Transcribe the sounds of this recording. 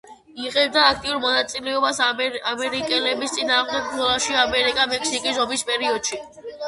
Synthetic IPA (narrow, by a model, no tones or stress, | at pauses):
iʁɛb̚d̪aːk̚ʰt̪ʼiuɾmɔnat̪sʼilɛɔbasamɛɾikʼɛlɛbist̪sʼinaːʁmd̪ɛɡ̚ɡ̪ɔlaʃiamɛɾikʼamɛksikʼisɔbispʼɛɾiɔd̪̥ʃi